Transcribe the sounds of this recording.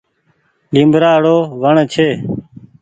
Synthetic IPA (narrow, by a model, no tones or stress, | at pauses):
ɗĩːmbɾaːɽoːʋəɳt͡ʃʰeː